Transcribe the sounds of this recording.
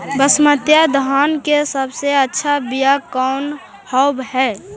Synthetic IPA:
bəsmət̪jad̪ɦankesəbseətːʃʰabijakɔʊn | hɔʊbɦɛ

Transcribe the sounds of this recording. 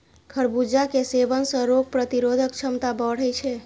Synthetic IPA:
kʰəɾbud͡ʒakesebənsə̃ɾoɡ̚pɾət̪iɾod̪ʱək̚t͡ʃʰəmt̪abəɽ̤əjt͡ʃʰɛ

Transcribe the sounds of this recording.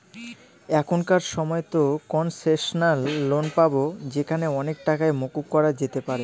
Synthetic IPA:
ɛkʰonkaɾʃɔmɔet̪okɔnseʃonalːonpabod͡ʑekʰaneɔnek̚ʈakaemokuk̚kɔɾad͡ʑet̪epaɾe

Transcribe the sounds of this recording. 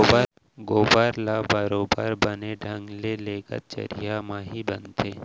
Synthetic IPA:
ɡoːbaɾlabəɾoːbəɾbəneɖʱə̃ŋɡleleːɡə̰t̪̚t͡ʃə̰ɾijamãɦibənt̪ʰeː

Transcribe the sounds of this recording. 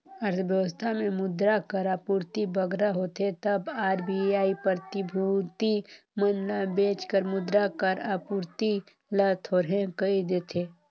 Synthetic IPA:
ɐɾt̪ʰəʋjəʋəst̪ʰamẽmʊd̪ɾakəɾaːpuːɾt̪ibəɡɾaɦoːt̪et̪ɐbaːɾbiaːipəɾt̪ɪbʱut̪i | mənlabeːt͡ʃkəɾmʊd̪ɾakəɾapuːɾt̪i | lat̪ʰoːɾɦẽkəid̪eːt̪ʰeː

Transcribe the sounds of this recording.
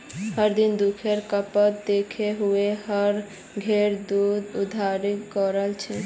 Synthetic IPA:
həɾd̪ind̪ukʰeɾkəpət̪̚d̪ekʰeɦuehəɾ | ɡʱeɾd̪ud̪ud̪ʱaɾikɔɾəlt͡ʃʰi

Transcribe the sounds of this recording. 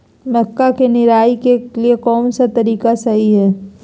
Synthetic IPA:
mɛkːakenɪɾaːikeliekɔːnsat̪ɐɾiːkasɐɦiɦɛː

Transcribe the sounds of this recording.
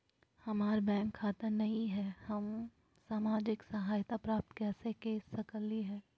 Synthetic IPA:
hɐmaːɾbɛ̃ːŋkʰːaːt̪ənɐɦĩɦɛːhɐm | saːmaːd͡ʒɪksɐɦaːjt̪apɾaːp̚t̪kɛːsekeːsːɐkəlːiɦɛː

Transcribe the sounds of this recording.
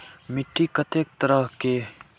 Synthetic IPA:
mɪʈʰːikət̪ʰeːk̚t̪əɾəɦke

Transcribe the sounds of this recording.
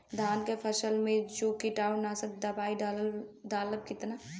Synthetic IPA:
d̪ʱaːnkepʰɐʃəlmẽt͡ʃoːkiʈaːʊnaːsək̚d̪ɐbaːiɖd̪aːləb̚kɪt̪na

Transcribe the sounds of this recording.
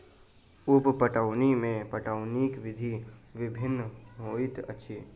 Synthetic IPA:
ʊppəʈaʊnimẽpəʈaʊnikʋɪd̪ʱiʋɪbʱɪnːɦoːɪt̪ə̰tːʃʰiː

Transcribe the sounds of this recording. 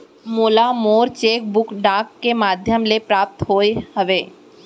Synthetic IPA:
moːlamoːɾt͡ʃeːk̚bʊkɖãːkːemaːd̪ʱjəmlepɾaːp̚t̪ɦoːeɦəʋeː

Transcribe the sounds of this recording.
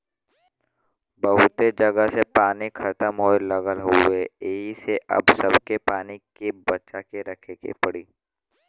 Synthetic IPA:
bəɦʊt̪ed͡ʒɐɡəsepaːnikʰɐt̪əmɦoːelɐɡəlɦoeeːɦiseʔɐ̰bsɐbkepaːnikebɐt͡ʃakeɾɐkʰekḛpɐɽiː

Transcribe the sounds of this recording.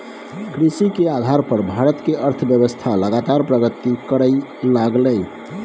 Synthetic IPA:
kɾisikead̪ʱaɾpəɾbʱaɾət̪keʔəɾt̪ʰəbjəbəst̪ʰaləɡat̪aɾpɾəɡət̪ikəɾəjlaɡlə

